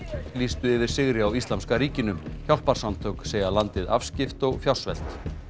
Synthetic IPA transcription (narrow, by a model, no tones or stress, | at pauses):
liːst̪ʏɪvɪɾ̥sɪɣɾɪawist̪lamskaɾiːcɪnʏmçjawl̥paɾ̥samt̪ʰœkseːjɣalant̪ɪðafscɪft̪ɔɣfjaw̪svɛ̰l̥t̪